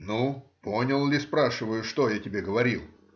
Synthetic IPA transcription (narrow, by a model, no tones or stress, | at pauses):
nuponʲəlˠlʲɪspɾaʂɨvəjʊʂt̪ojatʲɪbʲeɡəvɐɾʲilˠ